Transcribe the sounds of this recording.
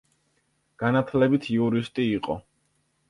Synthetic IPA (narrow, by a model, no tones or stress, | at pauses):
ɡ̥anat̪ʰlɛbit̪ʰiuɾist̪ʼiːqʼɔ̰